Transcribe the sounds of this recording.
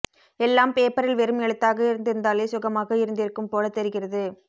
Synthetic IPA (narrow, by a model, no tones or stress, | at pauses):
ɛlːaːmpeːpɐɾɪlʋɛɾɯmɛɭɯt̪ːaːɣɐɪɾɯnd̪ɪɾɯnd̪aːleːsʊɣɐmaːɣɐɪɾɯnd̪ɪɾɯkːɯmpoːlɐt̪ːɛɾɯɣɪrɐðɯ